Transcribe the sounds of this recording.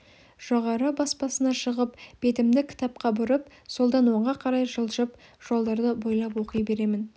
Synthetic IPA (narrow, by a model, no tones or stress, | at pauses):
ʒ̥oʁɑɾəbɑspɑsənɑʃəʁəpb̥e̞t̪ɪmd̪ɪkʲʰɪ̥t̪ɑp̚qɑbʊɾəp | so̞lˠd̪ɑnwo̞ɴʁɑqʰɑɾɑjʒəlˠʒəp | ʒ̥o̞lˠd̪ɑɾd̪əbo̞jlˠɑp̬wo̞qəjbe̞ɾe̞mɪn